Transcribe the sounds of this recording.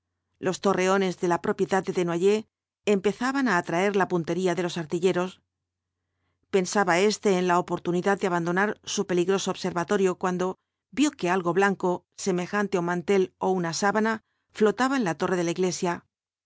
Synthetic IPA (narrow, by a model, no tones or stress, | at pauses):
lo̞st̪o̞re̞o̞ne̞zðe̞lapɾo̞pje̞ðað̚e̞ðe̞nwaʝe̞ː | mpe̞θaβanaːt̪ɾae̞ɾlapunt̪e̞ɾiaðe̞lo̞saɾt̪iʎe̞ɾo̞s | pe̞nsaβae̞st̪e̞ːnlaopo̞ɾt̪uniðaðd̪eaβand̪o̞naɾsupe̞liɣɾo̞so̞ːβse̞ɾβat̪o̞ɾjo̞kwand̪o̞ | bjo̞ke̞alɣo̞βlaŋko̞ | se̞me̞xant̪e̞o̞mãnt̪e̞lo̞unasaβana | flo̞t̪aβaenlat̪o̞re̞ð̞elaiɣle̞sja